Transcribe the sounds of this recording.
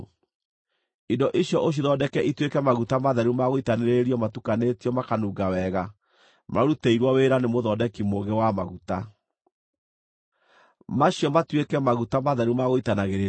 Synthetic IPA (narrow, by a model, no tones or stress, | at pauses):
indɔʔiɕjɔʔoɕ̬jiðɔdɛkɛʔitwekɛmaɣutamaðaɾumaɣoitaneɾeɾiɔmatukanetiɔmakanuːɡawɛɣa | maɾuteiɾwɔweɾanemoðɔdɛkimoɣɛwamaɣuta | maɕjɔmatwekɛmaɣutamaðaɾumaɣoitanaɣeɾe